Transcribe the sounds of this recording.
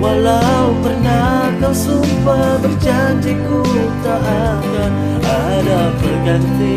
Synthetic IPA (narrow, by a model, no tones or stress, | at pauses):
walawpərna | kasumpabərd͡ʒaɲd͡ʒikuit̪aʔa | ka | a | dabərɡant̪i